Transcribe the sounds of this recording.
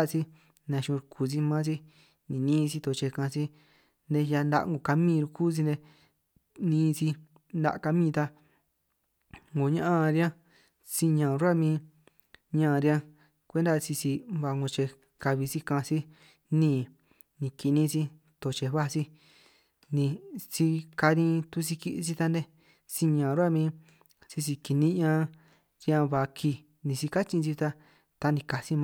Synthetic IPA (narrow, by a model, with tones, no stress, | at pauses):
a˦si˦ | nã˧ʃũ˧ɾkʰu˧s̬i˦mã˦si˦ | nĩ˨nĩː˦˧si˧t̪o˧t͡ʃe˧kã˧si˦ | nd̪e˧ja˧nd̪a̰˧ʔŋɡo˧˨ka˧mĩː˦˧ɾu˧kuː˦s̬i˧nd̪e˧ | nĩː˧si˧ | nd̪a̰˧ka˧mĩ˦˧t̪a˧ | ŋõ˨ɲã˦ʔã˦˧ɾi˦ã˦ | si˦˧ɲã˧˨˧ɾa˦mĩː˧ | ɲã˧ɾi˧˦ã˧ | kʷe˦nd̪a˦˧si˧si˧βa˧ŋõ˧t͡ʃe˧ | ka˧βi˧si˧kã˧si˦ | nĩ˦˧˨ | nĩ˨˧ki˧nĩ˧si˧ | t̪o˨t͡ʃe˧βa˦si˧ | nĩ˧si˧ka˧nĩ˧t̪u˧si˧ki˧ʔsi˦˧t̪a˧nd̪e˦ | si˧ɲã˨ɾu˦a˦˧mĩ˧˦ | si˧si˧ki˧˨nĩ˦ɲã˧ | ɾi˧ã˧βa˨kʰi˧ | nĩ˧si˧ka˦t͡ʃĩ˧si˧t̪a˧ | t̪a˧nĩ˧ka˨si˦m˧